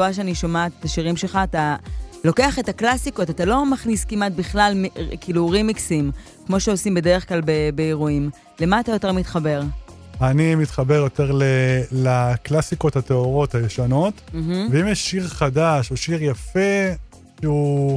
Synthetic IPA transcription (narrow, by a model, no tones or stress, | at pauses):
aʃeaniʃo̞mat̪etaʃiʁimʃe̞lχaːtalo̞ke̞aχetaklasiko̞tatalo̞maχniskimat̪̚biχlalmikiluʁimːiksim | kmo̞ʃeo̞simbe̞de̞ʁeχklalbebe̞eʁuim | le̞maːtajo̞te̞ʁmit̪χabe̞ʁ | animit̪χabe̞ʁjo̞te̞ʁlelaklasiko̞thateoʁo̞tajeʃano̞t̩ɦ̩veimjɛʃːiʁχadaʃoʃiʁjafe | ʃeu